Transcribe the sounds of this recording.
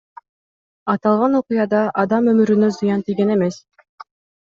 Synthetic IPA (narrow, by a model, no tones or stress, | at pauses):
ɑt̪ɑlˠʁɑnoqʊjɑd̪ɑʔɑd̪ɑmømyɾynøzɯjɑnt̪ijɡenemes